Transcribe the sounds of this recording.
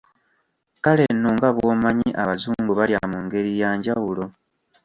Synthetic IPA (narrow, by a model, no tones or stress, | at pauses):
kale̞nːoŋɡaβwo̞maɲiʔaβazuːmbuβaljamuŋɡe̞ɾijaːɲɟawulo̞